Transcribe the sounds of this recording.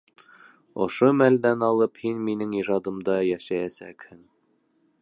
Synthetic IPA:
ŏ̰ʃomæld̪ænɑlˠɤphinminɘŋiʒɑd̪ɤ̆md̪ɑjæʃæjæsæ̰khɘŋ

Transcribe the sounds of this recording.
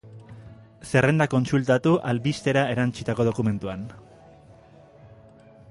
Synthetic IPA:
se̞re̞nd̪ako̞nsult̪at̪uʔalβist̪e̞ɾae̞ɾant͡ʃit̪ako̞ð̞o̞kume̞nt̪uan

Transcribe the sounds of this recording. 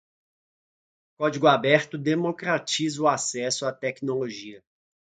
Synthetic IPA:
kɔd͡ʒiɡʊabɛɾt̪ʊd̪emokɾat͡ʃizʊasɛsʊat̪ɛknoloʒiɐ

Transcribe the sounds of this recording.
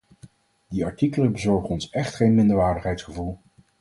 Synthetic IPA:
diɑɹtikələbəzɔɹχənɔnsɛχtχejnmɪndəɹʋaːɹdəχɦɛjtsχəvulˠ

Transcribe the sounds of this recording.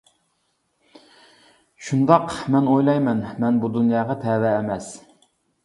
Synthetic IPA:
ʃund̪ɑqmɛnojlˠɑjmɛnmɛnbud̪unjɑːʁɑt̪ʰɛːvɛːmɛs

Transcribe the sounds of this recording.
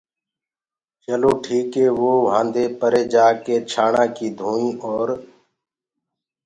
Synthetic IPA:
t͡ʃəloːʈʰiːkɦeːʋoːʋãːnd̪eːpəɾeːd͡ʒaːkeːt͡ʃʰaːɳãːkiːd̪ʱũːĩːɔːɾ

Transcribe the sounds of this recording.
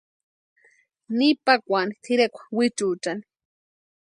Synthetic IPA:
nipakʷanit̪ʰiɾekʷḁwit͡ʃut͡ʃani̥

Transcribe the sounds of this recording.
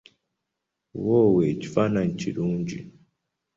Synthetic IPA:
wɔwɛt͡ʃi̥fanaɲ̩t͡ʃiɾuɲd͡ʒḭ

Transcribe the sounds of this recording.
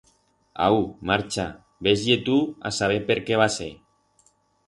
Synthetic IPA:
a̰wmaɾt͡ʃa | bezʎet̪ua̰saβ̞epeɾkeβasḛ

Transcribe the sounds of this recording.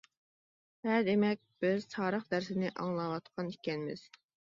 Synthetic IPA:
ɛd̪emɛk̚ʲb̥ɪz̥t̪ʰɑːɾəχd̪æɾsɪnɪʔɑŋlˠɑwɑt̪qʰɑnikʲɛnɪmɪ̰z̥

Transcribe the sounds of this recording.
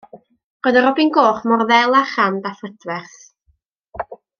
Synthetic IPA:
ɡ̥ədaɾɔbinɡoːχmɔrðɛlˠaχandafədvɛrθ

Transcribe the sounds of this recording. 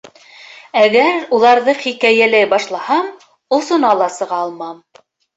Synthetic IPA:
æɡæɾulˠɑɾðɤχikæjælæjbɑʃlˠɑhɑm | ŏsŏnɑlˠɑsɤ̆ʁɑɑlˠmɑm

